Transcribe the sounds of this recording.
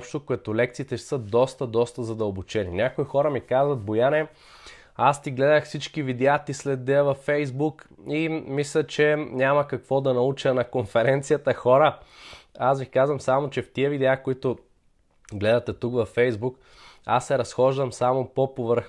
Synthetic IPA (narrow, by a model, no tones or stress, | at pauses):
pʃt̪okoɛt̪olɛk̚t̪siːt̪ɛʃsəd̪ɔst̪əd̪ɔst̪əzɐd̪əlˠbʊt͡ʃɛnḭnʲakoixɔɾəmikazvɐt̪bojanɛ | ast̪iɡlɛd̪əxfsit͡ʃkivid̪ɛat̪islɛd̪ɛəvɐfːɛjzbuk | imislʲət͡ʃɛnʲamɐkɐkvɔd̪ɐnɐut͡ʃənɐkonfɛɾɛnt̪sijət̪əxɔɾə | asvikazvɐmsamot͡ʃɛft̪iəvid̪ɛakoit̪o | ɡlɛd̪ɐt̪ɛt̪ukvɐfːɛjzbuk | a̰sːɛɾɐsxɔʒd̪əmsamopopovəɾx